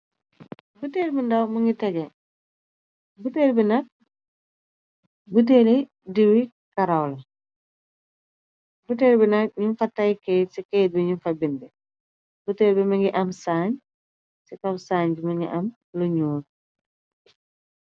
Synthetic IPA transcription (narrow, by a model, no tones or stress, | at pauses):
butɛːɾbindɐwmɐŋɡitɐɡɛ | butɛːɾbinɐk̚ | but̬eːli | diwi | kɐɾɐwlɐ | butɛːɾbinɐk̚ɲunfɐtːɐjkɛːsikɛːt̚biɲunfɐbindɛ | butɛːlbimɐŋɡiʔɐmsaːɲ | sikɐwsaːɲbimɐŋɡḭʔɐm | lɐɲuːn̚